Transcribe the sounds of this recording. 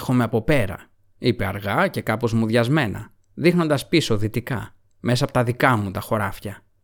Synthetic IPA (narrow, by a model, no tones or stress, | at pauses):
xo̞meɐpo̞pe̞ɾɐ̰ | ipe̞ɐɾɣɐce̞kɐpo̞zmuðʝɐzme̞nɐ̰ | ðixno̞nd̪ɐspiso̞ðit̪ikɐ | me̞sɐpo̥t̪ɐðikɐmut̪ɐxo̞ɾɐfçɐ